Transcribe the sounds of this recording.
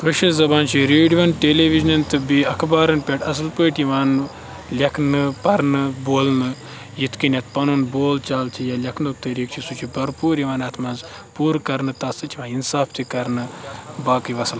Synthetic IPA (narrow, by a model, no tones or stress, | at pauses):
ʋɨʃɐzɐbaːnt͡ʃʰiɾeːɖiʋɐnʈeːleːʋiʒnɐnt̪ɨbiɐkʰbaːɾɐnpʲeʈɐs̬ɨlpɨːʈiʋaːn | lʲɐkʰnɨpɐɾnɨboːlnɨ | jit̪kinʲɐt̪̚pɐnuːnboːlt͡ʃaːlt͡ʃʰijaːlʲɐkʰnuk̚t̪ɐɾiːkt͡ʃʰisut͡ʃʰibɐɾpuːɾiʋaːnɐt̪ʰmɐnz | puːɾkɐɾnɨt̪ɐsɨt͡ʃʰiʋãːinsaːft̪ikɐɾnɨbaːkɨʋɐsɐl